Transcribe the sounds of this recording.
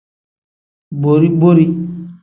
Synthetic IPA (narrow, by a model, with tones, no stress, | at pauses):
bo˨ɾi˦bo˦ɾi˦